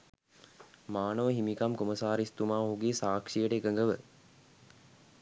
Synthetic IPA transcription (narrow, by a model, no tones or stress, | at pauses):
maːnəʋəɦimikamkoməsaːɾist̪umaːɦuɡeːsaːkʂijəʈəekəŋɡəʋə